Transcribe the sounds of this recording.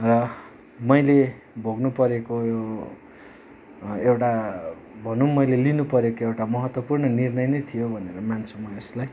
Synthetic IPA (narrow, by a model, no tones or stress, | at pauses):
rʌ | mʌjle | bʱoɡnupʌɾekojo | ewʈa | bʱʌnũmʌjlelinupʌɾekoewʈamʌɦʌt̪wʌpurnʌnirnʌjnʌjt̪ʰijobʱʌneɾʌmant͡sʰumʌeslaj